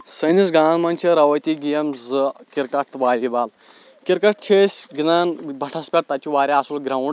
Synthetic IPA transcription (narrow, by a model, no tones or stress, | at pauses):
sɐnis̬ɡãːnmɐnʲt͡ʃʰiɾɐʋɐjt̪iɡijɐmzɨkiɾkɐʈʰt̪ʋaːlʲɡibaːl | kiɾkɐʈ̚ʰt͡ʃʰeːsʲɡinɐnbɐʈʰɐspʲɐʈt̪ɐt͡ʃiʋaːɾʲaasulɡɾaːwuɳɖ